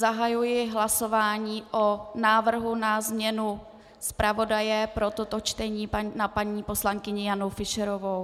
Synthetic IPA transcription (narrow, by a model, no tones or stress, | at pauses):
zaɦajujɪɦlaso̞vaːɲiːʔonaːvr̩ɦunazmɲɛnu | spɾavo̞dajɛpɾo̞t̪ot̪o̞t͡ʃt̪ɛɲiːnapaɲiːpo̞slaŋkɪɲɪjanowfɪʃɛɾovow